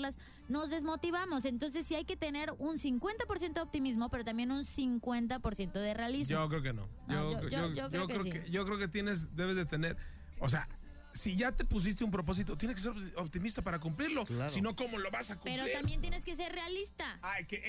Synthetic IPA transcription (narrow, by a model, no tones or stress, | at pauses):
las | no̞zðe̞zmo̞t̪iβamo̞se̞nt̪o̞ns̬e̞sːiajke̞t̪e̞ne̞ɾunsiŋkwe̞nt̪apo̞ɾs̬jent̪oop̚t̪imizmo̞pe̞ɾo̞t̪ambje̞nunsiŋkwe̞nt̪apo̞ɾsje̞nt̪o̞ðere̞alizd͡ʒok̬ɾeokeno̰ | ooookɾokɾeokeʝokɾeoket̪je̞ne̞z̬d̪e̞β̞ezðet̪ene̞ɾ | o̰s̬ea̰ | siʝat̪e̞pus̬is̬t̪eump̬ɾo̞p̬o̞s̬it̪ot̪jeneskeseɾopt̪imist̪apaɾakumpliɾlo̞lasino̞ko̞mo̞lo̞βasakupeɾot̪ambje̞nt̪̬jeneskes̬e̞ɾrealist̪aajke